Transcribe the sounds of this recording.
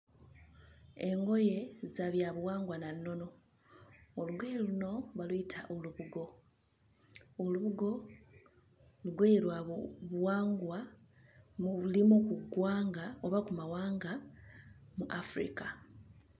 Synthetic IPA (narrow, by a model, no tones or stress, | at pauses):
e̞ŋɡo̞je̞zaβjaβwaːŋɡwananːo̞no̞ː | luɡweːluno̞βaluitʰaʔoluβuɡo̞ | oluβuɡo̞ | luɡweːilwaβwaːŋɡwa | mlimukuɡwaːŋɡao̞βakumawaːŋɡa | muʔafɾḭka